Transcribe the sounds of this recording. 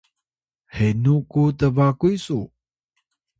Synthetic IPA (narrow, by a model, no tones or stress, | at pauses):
henukutəvakuisu